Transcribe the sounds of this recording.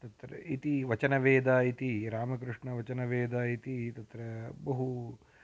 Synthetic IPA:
t̪ɐt̪ɾɐ̰it̪iʋɐt͡ʃɐnɐʋeːd̪aːit̪iɾaːmɐk̬ɾuʂɳɐʋɐt͡ʃɐnɐʋeːd̪aːit̪it̪ɐt̪ɾɐbɐɦu

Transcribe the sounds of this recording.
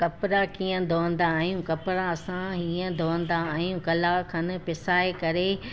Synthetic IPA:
kɐpɾakiːə̃d̪ʱoːə̃nd̪aːɦijũkɐpɾãɐsãɦiːə̃d̪ʱoːə̃n̆d̪aːɦijũkɐlakʰɐnɪ̆pɪsaːekɐɾe

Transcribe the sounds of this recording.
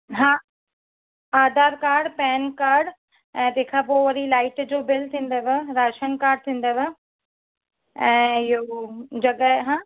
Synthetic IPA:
ɦãː | aːd̪aːɾkaːɾɖpɛːnkaːɾɖ | ɛ̃ːt̪eːkʰapoːʋɐɾilaːɪʈd͡ʑoːbɪlt̪ʰĩːn̆d̪əʋeɾaːʃənkaːɾɖ̚t̪ʰĩːn̆d̪əʋe | ɛ̃ːɪɦod͡ʑɐɠəɦɦãː

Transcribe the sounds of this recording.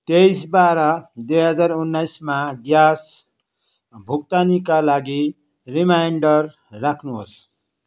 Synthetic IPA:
t̪ejsbaɾʌd̪eɦʌd͡zaɾunːajsmaɡjas | bʱuk̚t̪anikalaɡi | ɾimajɳɖʌrː | akʰnuɦos

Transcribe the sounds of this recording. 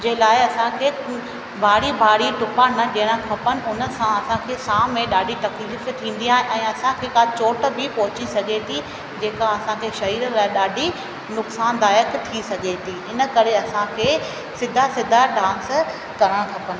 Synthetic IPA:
d͡ʑeːlaːɪɐsãkʰeːk | bʱaːɽibʱaːɽiʈʊpanɐɗɪɽ̃ə̃kʰɐpənɪ̆ʊnə̆sãɐsãkʰeːsãːmẽɗaːɖʱit̪ɐkliːft̪ʰĩːn̆d̪iaːɦẽɛ̃ːɐsãkʰeːkaːt͡ɕoːʈ̆bɪpɔɦʊt͡ɕisɐɠet̪ʰi | d͡ʑeːkaɐsãkʰeːʃɐɦiːɾlaːɪɗaːɖʱi | nʊksaːnd̪aːjəkt̪ʰisɐɠet̪ʰiɪnə̆kɐɾeɐsãkʰeː | sɪd̪ʱasɪd̪ʱaɖʱãːns | kɐɾəɽ̃kʰɐpən

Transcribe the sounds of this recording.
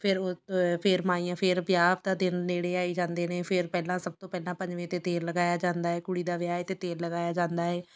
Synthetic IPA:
pʰɪɾpʰɪɾmaːiːãːpʰɪɾbjaːpd̪aːd̪ɪnːeːɽeːaːiːd͡ʒãːnd̪eːnẽːpʰɪɾpɛːlãːsəb̚t̪õːpɛːlãːpə̃ɲd͡ʒʋẽːt̪eːt̪eːlːəɡaːjaːd͡ʒãːnd̪aːɦɛːkʊɽiːd̪aːʋɪjaːet̪eːt̪eːlːəɡaːjaːd͡ʒãːnd̪aːɛː

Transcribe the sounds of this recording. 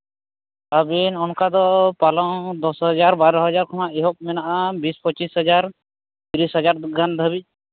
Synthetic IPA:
abinɔnkad̪ɔpalɔŋd̪ɔsɦɔd͡ʒaɾbaɾɔɦɔd͡ʒaɾkʰɔmaeɦɔp̚mɛnaʔabispɔt͡ʃisɦɔd͡ʒaɾ | t̪iɾisɦɔd͡ʒaɾɡand̪ʱəbic̚

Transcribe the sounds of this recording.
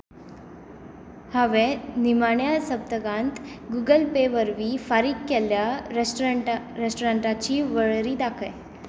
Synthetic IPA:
haʋenimaɳjasəb̚d̪əɡãnt̪ɡuɡəlpeʋəɾʋiːfaɾiːkːɛlja | ɾesʈoɾaɳʈat͡ɕiːʋəɭɾiːd̪akʰəj

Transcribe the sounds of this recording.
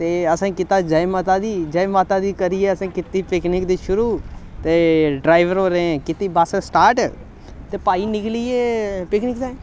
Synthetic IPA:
t̪eːəsãːkɪt̪aːd͡ʒəemat̪aːd̪iːd͡ʒəemat̪aːd̪iːkəɾieːəsãːkɪt̪iːpɪknɪkd̪iːʃʊɾuːt̪eːɖɾaːɪʋəɾɦoːɾeẽkɪt̪iːbassʈaːɾʈ | t̪eːpaːiːnɪklieːpɪknɪkd̪e

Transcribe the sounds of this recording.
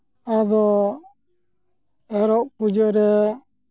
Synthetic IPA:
ad̪ɔ | ɛɾɔʔpud͡ʒɔɾɛ

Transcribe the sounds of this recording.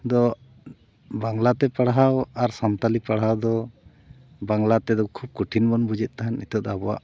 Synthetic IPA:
d̪ɔ | baŋlat̪ɛpaɽɦawaɾsant̪alipaɽawd̪ɔ | baŋlat̪ɛd̪ɔkʰub̚kuʈʰinbɔnbud͡ʒɛʔ̪̚ˀt̪aɦanit̪ɔt̪abɔwa̰ʔ

